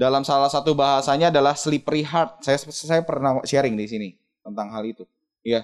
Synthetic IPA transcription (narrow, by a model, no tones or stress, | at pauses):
dalamsalahsat̪ubaɦasaɲaːdalahslipriɦart̪̚sajasajapərnaʃeɾɪŋdis̬ini | t̪ənt̪aŋɦalit̪u | ja